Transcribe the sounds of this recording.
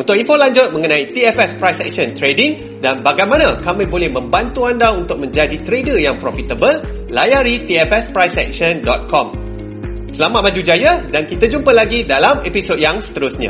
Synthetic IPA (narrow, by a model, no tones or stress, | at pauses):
unt̪ʊkinfolaɲd͡ʒʊt̪̚mə̃ŋənãit̪iɛfɛspɾajsɛ̰k̚ʃənt̪ɾediŋ | danbaɡajmãnakamĩbolɛhmə̃mbant̪uandaunt̪ʊk̚mə̃ɲd͡ʒadit̪ɾedəjaŋpɾofit̪əbəlː | ajaɾit̪iɛfɛspɾajsɛ̰k̚ʃəndɔt̪̚kɔm | səlamat̪̚mãd͡ʒud͡ʒajadankit̪ad͡ʒumpəlaɡidalamepisod̚jaŋsə̥t̪əɾʊsɲã̰